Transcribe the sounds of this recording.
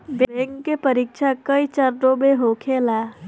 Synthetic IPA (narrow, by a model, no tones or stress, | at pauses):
bbɛ̃ŋkːepəɾikʃʰakəit͡ʃəɾʈobeɦokʰelaː